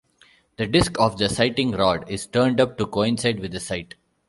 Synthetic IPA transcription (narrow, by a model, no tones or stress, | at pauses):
d̪̥əɖɪskɔːʋd̪əsaɪʈɪ̃ŋɾɔːɖɪz̥ʈəːɾɳɖʌp̚ʈukoːɪ̃nsaɪɖʋɪd̪əsaɪʈ